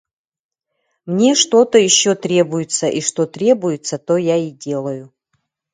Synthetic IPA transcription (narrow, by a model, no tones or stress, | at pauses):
mnʲe̞ʂt̪o̞t̪əjɪɕːot̪ɾʲe̞bʊjɪt̪səʔiʂt̪o̞t̪ɾʲe̞bʊjɪt̪sət̪ojaidʲe̞lˠəjʊ